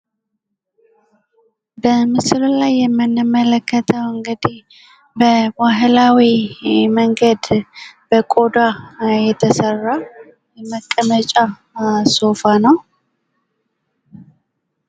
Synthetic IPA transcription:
bəmɨsɨllajːɛmːɨnːɨmələkʰːət̪ʰəwɨŋɡəd̪ih | bəbaɦɨlawiməŋɡəd̪b̥əkʼo̞d̪ajɛt̪ʰəsərːa | jɛməkʼːəmət͡ʃʼa | so̞fanəw

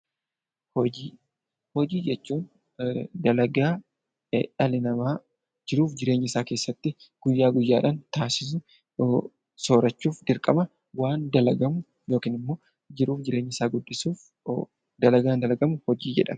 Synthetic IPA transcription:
hɔd͡ʒiː | hɔd͡ʒiːd͡ʒɛt͡ʃːuːn | d̪ɐlɐɡaː | ᶑɐlɪnɐmaː | d͡ʒɪɾuːfd͡ʒɪɾe̞ːɲːɪsaːke̞ːsːɐt̪ːɪ | ɡ̥ʊjːaːɡʊjːaːᶑɐnt̪aːsɪs̬ʊ | soːɾɐt͡ʃːuːfd̪ɪɾkʼɐmɐ | waːnd̪ɐlɐɡɐmʊ | jo̞ːkiːnɪmːo̞ː | d͡ʒɪɾuːfd͡ʒɪɾeːɲːɪsaːɡʊdːɪsuːf | d̪ɐlɐɡaːnd̪ɐlɐɡɐmʊhɔd͡ʒiːd͡ʒɛ̰ᶑɐ̰m

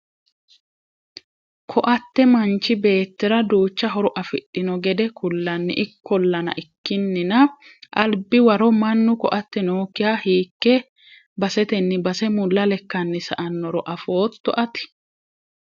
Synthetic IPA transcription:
kʰɔʔɐt̪ːɛmɐnt͡ʃːɪbe̞ːt̪ːɪɾɐd̪uːt͡ʃːɐɦɔɾɔʔɐfɪt̪ʼːɪnɔɡɛd̪ɛkʰʊlːɐnːɪ̰ʔɪkːɔlːɐnɐ̰ʔɪkːɪnːɪnɐʔɐlbɪwɐɾɔmɐnːʊkɔʔɐt̪ːɛnoːkːɪjaːhiːkːɛ | bɐsɛt̪ɛnːɪbɐsɛmʊlːɐlɛkːɐnːɪsɐʔɐnːɔɾɔʔɐfo̞ːt̪ːɔʔɐt̪ɪ̥

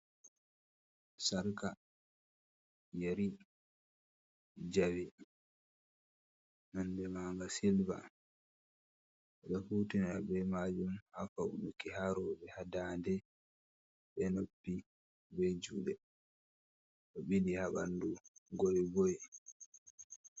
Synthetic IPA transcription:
saɾka | jaɾi | d͡ʒawɛ | nandɛmaːŋɡasilba̰ | ʔɔɗafutinabɛmad͡ʒumhafaṵnukihaɾɔɓɛhadaːndɛ | ɓɛnobːi | bɛd͡ʒuːɗɛ | ɗɔɓidihaɓa̰nduɡɔjɡɔj

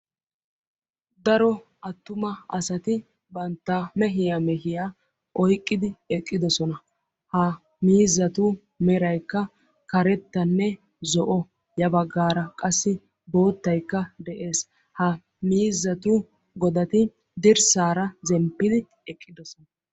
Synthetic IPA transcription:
d̪ɐɾɔ | ʔɐt̪ːʊmɐɐsɐt̪ɪ | bɐnt̪ːamɛɦɪjamɛɦɪjaː | ʔɔjkʼːɪd̪ɪɛkʼːɪd̪ɔsɔnɐ | hɐ | miːzːɐt̪ʊ | mɛɾɐjkːɐ | kɐɾɛt̪ːɐnːɛ | zɔʔɔ | jɐbɐɡːaːɾɐkʼɐsːɪ | bo̞ːt̪ːɐjkːɐd̪ɛʔeːs | hɐ | miːzːɐt̪ʊ | ɡɔd̪ɐt̪ɪ | d̪ɪɾsaːɾɐzɛmpːɪd̪ɪ | ɛkʼːɪd̪ɔsɔnɐ

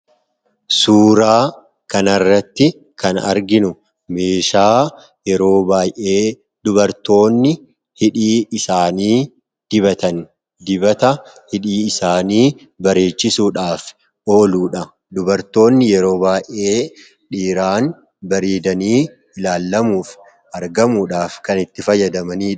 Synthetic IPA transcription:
suːɾaː | kɐnɐrːɐt̪ːɪ | kɐnɐ̰ɾɡɪnʊ | me̞ːʃaː | jɛɾo̞ːbaːjʔe̞ː | d̪ʊbɐɾt̪o̞ːnːɪ | hɪᶑiːɪsaːniː | d̪̥ɪβɐt̪ɐn | d̪ɪbɐt̪ɐ | hɪᶑiːɪsaːniː | bɐɾe̞ːt͡ʃːɪsuːᶑaːf | ʔo̞ːluːᶑɐ | d̪ʊbɐɾt̪o̞ːnːɪjɛɾo̞ːbaːjʔe̞ː | ᶑiːɾaːn | bɐɾiːd̪ɐniː | ɪlaːlːɐmuːf | ʔɐɾɡɐmuːᶑaːfkɐnɪt̪ːɪfɐjːɐd̪ɐmɐniːᶑ

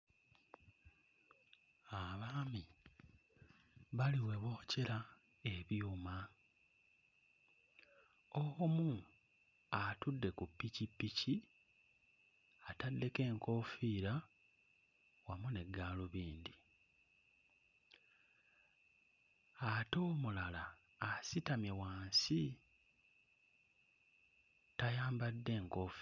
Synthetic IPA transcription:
aβaːmi | βaliwe̞βo̞ːceɾa | e̞βjuːma | oɣomu | atudːe̞kupːicipːici | atadːe̞ke̞ːŋko̞fiːɾa | wamune̞ɡːaːluβiːnd̪i | ato̞ːmulalaː | sitamjewaːnsi | tajaːmbadːe̞ːŋkoːf

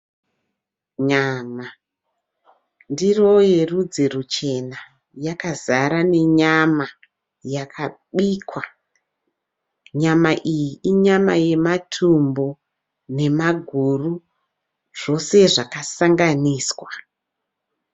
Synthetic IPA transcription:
ɲaːma | ndirojerud͡zerut͡ʃe̞na | jakazaɾane̞ɲama | jakʰaɓiːkwa | ɲamaʔijiiɲamaje̞matʰumbo | ne̞maɡʱuru | ʐ̥o̞se̞ʐakasaŋɡaniːswa

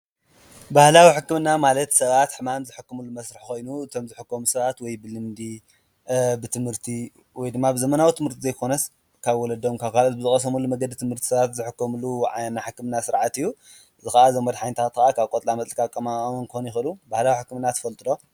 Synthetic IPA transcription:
bahlawiħɨkːɨmɨnːamalɐt̪sɐβat̪ħɨmamzɨħɨkːɨmulːumɐsɾɨħko̞jnuɨt̪ʰo̞mzɨħɨkːomusɐβat̪wɔjbɨlɨmd̪i | bɨt̪ʰɨmhɨɾt̪ʰi | wɔjd̪ɨmːabɨzɐmɐnawit̪ʰɨmhɨɾt̪ʰizɐjkʰo̞nɐs | kʰaβwɔlɐd̪omkʰaβkʰalot̪bɨzɨχʼɐs̬ɐmulːumɐɡɐd̪it̪ʰɨmhɨɾt̪ʰi̥sɐβat̪zɨħɨkːɐmulːuʕanːaħɨkːɨmɨnːasɨɾʕat̪ɨjːu | zɨxaʔazɐmɐd̪ħajnɨt̪ʰat̪kaʔakʰaβkʼot̪ʼlamɐt̪ʼlikʼakʼːɐmankɨonjɪxɨlubahlawiħɨkːɨmɨnːat̪ʰɐ̥fɐlt̪ʼɨd̪o̞

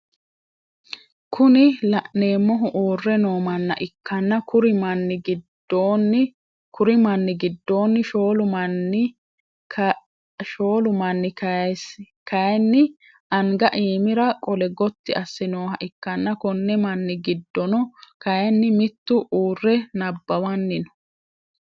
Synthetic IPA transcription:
kʊnɪlɐʔne̞ːmːɔɦʊʔuːrːɛno̞ːmɐnːɐ̰ʔɪkːɐnːɐkʊɾɪmɐnːɪɡɪd | oːn | kʊɾɪmɐnːɪɡɪd̪ːo̞ːnːɪʃoːlʊmɐnːɪ | ʃoːlʊmɐnːɪkɐs | kɐjɛnːɪ | ʔɐŋɡɐʔiːmɪɾɐkʼɔlɛɡɔt̪ːɪɐsːɪnoːhɐ̰ʔɪkːɐnːɐkɔnːɛmɐnːɪɡɪd̪ːɔnɔkɐjɛnːɪmɪt̪ːʊʔuːrːɛnɐbːɐwɐnːɪnɔ̥

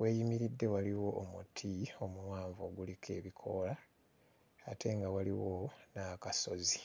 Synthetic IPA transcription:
we̞ːjimiɾidːe̞waliwo̞ʔːmutʰio̞muwaːɱvo̞ːɡulikʰe̞̰ːβikʰo̞laː | tʰe̞ŋɡawaliwonakaso̞zi

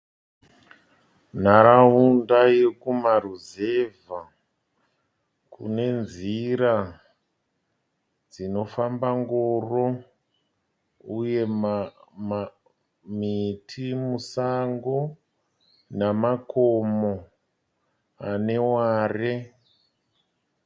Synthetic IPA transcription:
n̤aɾaɦundairkumaruze̞va | kṵne̞nziɾa | d͡zino̞fambaŋɡoːro̞ | uje̞ | mitʰimusaŋɡo | namakomo | ane̞waːre

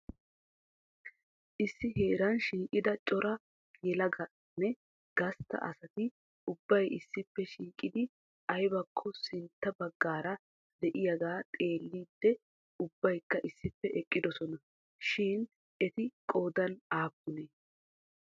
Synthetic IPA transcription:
ʔɪsːɪɦe̞ːɾɐnʃiːkʼɪd̪ɐt͡ʃʼɔɾɐ | jɛlɐɡɐ | nːɛ | ɡ̥ɐst̪ːɐ̰ʔɐ̰sɐt̪ɪ | ʊbːɐjʔɪsːɪpːɛʃiːkʼɪd̪ɪ | ɐjbɐkʰːɔsɪnt̪ːɐbɐɡːaːɾɐ | d̪ɛʔɪjɐɡaːt̪ʼe̞ːlːiːd̪ːɛ | ʊbːɐjkːɐʔɪsːɪpːɛʔɛkʼːɪd̪ɔsɔnɐ | ʃɪːn | ʔɛt̪ɪkʼo̞ːd̪ɐnaːbːʊneː

